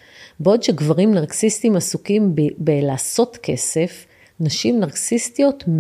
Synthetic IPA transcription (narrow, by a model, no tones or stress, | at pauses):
beo̞d̪ʃeɡvaʁimnaʁksist̪imasukimbelaːso̞tke̞se̞f | naʃimnaʁksistijo̞t̪m